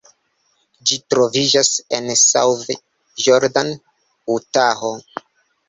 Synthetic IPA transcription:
d͡ʒitɾo̞vid͡ʒasensa̰wve | joɾdan | utaɦo

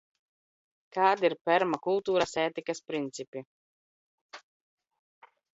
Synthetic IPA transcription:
kaːd̪iɾpʲɛɾmakulˠt̪uːɾasɛːt̪ikaspɾint̪sʲipʲi

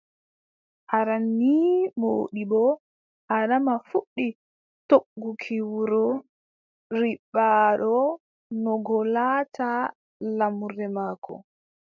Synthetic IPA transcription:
ʔaɾanːimo̰ːɗibɔ | ʔaɗamafuɗːi | toɡːukʰiwuɾɔ | ɾiɓːaɗɔ | nɔɡɔlata | lamuɾɛmaːkʰɔ̰

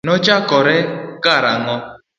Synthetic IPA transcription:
nɔt͡ʃakɔɾɛɡaɾaŋɔ

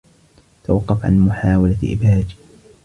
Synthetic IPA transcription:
t̪awɑqːɑfʕa̰nmʊħaːwalaʔɪ̰bhaːd͡ʒ

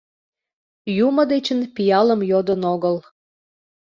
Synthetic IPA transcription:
juməd̪et͡ɕənpijɑləmjod̪ənoɣəl

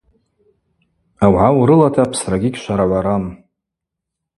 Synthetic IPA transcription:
awʕawɾɨlatʰapʰsraɡʲiɡʲʃʷaɾaʕʷaɾam

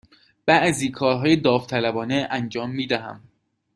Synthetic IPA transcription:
b̥æʔziːkʰɒːɾɦɒːjed̪ɒːft̪ʰælæbɒːneʔænd͡ʒɒːmːiːd̪æɦæ̰m

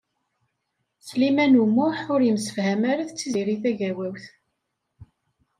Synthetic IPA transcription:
slimænumːʊħʊɾjəmsə̥fhæmaɾæθt͡sːiziɾiθæʝæwæwθ

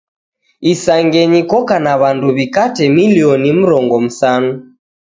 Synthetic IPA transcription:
isaŋɡɛɲikɔkanaβanduβikatɛmiliɔnim̩ɾɔŋɡɔm̩sanu

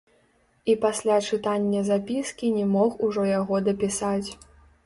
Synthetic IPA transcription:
ipasʲlʲat͡ʂɨt̪anʲːɐzapʲiskʲinʲɛmɔxuʐɔjaɣɔd̪ɐpʲisat͡sʲ

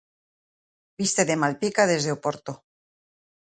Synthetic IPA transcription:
b̥ist̪eðemalpikaðe̞zðeopoɾt̪o

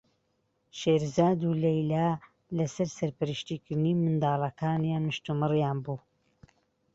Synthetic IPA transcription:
ʃeːɾzaːd̪ulejlaː | lɐsɐɾsɐɾpɨɾɨʃt̪iːkɨɾd̪ɨniːmɨnd̪aːlˠɐkʰaːnjaːnmɨʃt̪umɨrjaːnbuː

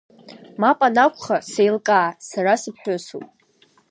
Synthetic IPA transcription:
mapʼanakʷʰʼχasejlkʼaːsaɾasɨpʰħosṵpʼ

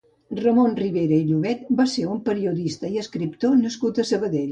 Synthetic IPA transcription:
rəmonriβeɾəiʎuβɛt̪baseɾumpəɾiuðist̪əiəskɾip̚t̪onəskut̪əsəβəðeʎ

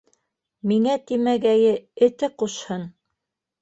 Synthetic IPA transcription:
miŋæt̪imæɡæjɘɘ̆t̪ɘquʃhɤn

